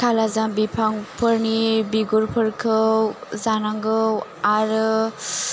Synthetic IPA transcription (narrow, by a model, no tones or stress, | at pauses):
kʰalazambipʰaŋpʰəɾnibiɡuɾpʰəɾkʰɯwzanaŋɡɯwaɾ